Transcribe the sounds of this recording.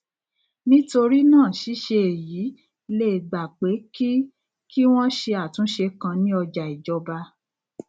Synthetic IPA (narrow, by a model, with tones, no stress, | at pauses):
nĩ˦to˧ɾi˦nãː˦˨ʃi˨˦ʃe˧e˨jiː˨˦ | le˦˨ɡ͡ba˨k͡pe˨˦ki˦ | ki˦w̃ɔ̃˦ʃe˧a˦˨tũ˨˦ʃe˧kã˧nĩ˦ɔ˧d͡ʒa˨i˨d͡ʒɔ˧ba˧